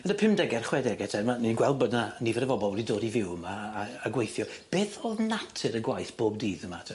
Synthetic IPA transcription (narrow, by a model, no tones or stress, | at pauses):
mənəpʰɪmdɛɡɛrχwɛdɛɡɛtʰɛmaninɡwɛlˠbɔdnanivɛdəvɔbɔlˠwɛdidoːdivɪwəmaːɡwejθjɔb̥eːθɔðnatʰɨɾəɡwajθb̥oːb̚diːðəmatʰ